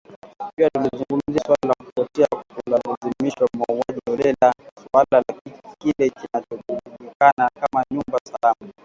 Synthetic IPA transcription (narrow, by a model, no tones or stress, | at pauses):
piwatulizuŋɡum̩zasswalalakupɔtɛakkulalazimiʃwamauwaʄiɔɾɛlasualalakikilɛkinat͡ʃɔɓuɗuɗikanakamaɲumbasalama